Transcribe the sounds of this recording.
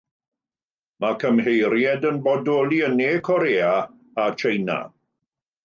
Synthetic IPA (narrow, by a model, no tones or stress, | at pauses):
makʰəmɦejɾjɛdənbɔdoːlˠiəneːkʰɔɾeːa | at͡ʃʰejna̰